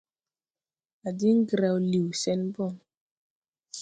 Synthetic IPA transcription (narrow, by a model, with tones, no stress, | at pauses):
a˨di˦ŋ̩˦ɡɾa˨wli˨wsɛ˦nbɔ˦˨n